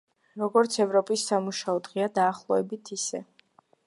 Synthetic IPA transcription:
ɾɔɡɔɾt̪sʰɛvɾɔpʼisːamuʃaɔd̪ʁɛad̪aːχlˠɔɛbit̪ʰisɛ

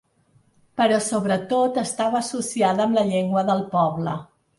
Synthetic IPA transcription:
pəɾɔsoβɾət̪ot̪əst̪aβəːsusiaðəːmləʎeŋɡwəðəlˠpɔβlə

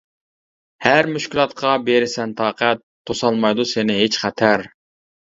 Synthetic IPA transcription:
hæɾmyʃkʲilˠɑt̪̚qʰɑbeɾɪsɛnt̪ʰɑːqæt̪ʰː | osɑlˠmɑjd̪usenɪɦet͡ʃχæt̪ʰæɾ

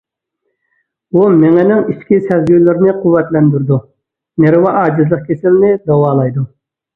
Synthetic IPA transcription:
bumɛŋɛnɪŋiʃkʲisɛzɡʲylɪɾnɪqʰuwːɛt̪lɛnd̪yɾd̪u | neɾɪwɑʔɑːd͡ʒizlˠəq̚kʲʰesɪlnɪd̪ɑwɑːlˠɑjd̪u

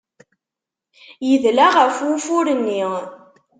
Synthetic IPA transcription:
jəðlaʁəfwufʊɾənːi

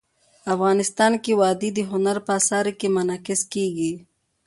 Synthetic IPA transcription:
afɣɑːnɪst̪ɑːnkewɑd̪id̪əɦʊnaɾpasɑːɾikemanɑkɪskeɡi

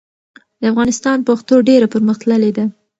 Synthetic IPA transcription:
d̪̥əafɣɑnɪst̪ɑnpaxt̪oɖeɾapəɾməxt̪ləled̪a

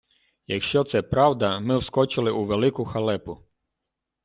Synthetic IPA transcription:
jɐkʃt͡ʃɔt̪sɛpɾɑwd̪ɐmɪwskɔt͡ʃɪlˠɪʔuʋelˠɪkʊxɐlˠɛpʊ

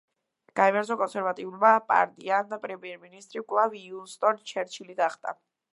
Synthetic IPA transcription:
ɡ̥aɛvɛɾzɔkʼɔnsɛɾvat̪ʼiulmapʼa̰ɾt̪ʼiand̪apʼɾɛmiɛɾminist̪ʼɾikʼlˠaviːunst̪ʼɔnt͡ʃʰɛɾt͡ʃʰilid̪aχd̪ʼa̰

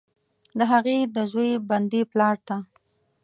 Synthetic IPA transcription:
d̪əɦaɣed̪əʒweband̪iplɑɽt̪a

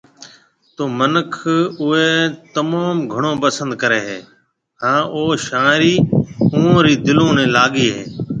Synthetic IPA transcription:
t̪oːmənəkʰʊɦeːt̪əmaːmɡʱəɳ̃õːpəsə̃nd̪kəɾeːɦeː | ɦãːʔoːʃaːɾiːũːõːɾiːd̪ɪlõːnẽːlaːɠiːɦḛː

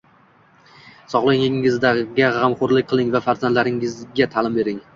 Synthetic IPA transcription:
sɒʁlˠaŋɪŋɪzd̪aɡʲaʁamχoɾlɪk̚ʲqʰɨlˠɪŋvafaɾzand̪laɾɪŋɪzɡʲat̪ʰalɪmbe̞ɾɪŋ

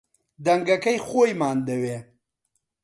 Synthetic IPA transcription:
d̪ɐŋɡɐkəjxojmaːnd̪ɐweː

